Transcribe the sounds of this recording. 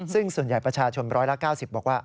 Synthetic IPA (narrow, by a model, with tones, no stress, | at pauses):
sɯ˥˩ŋsu˨˩ənja˨˩jpɾa˧t͡ɕʰaː˧t͡ɕʰo˧nɾɔː˦˥jla˦˥kaː˥˩wsi˨˩p̚bɔː˨˩k̚waː˥˩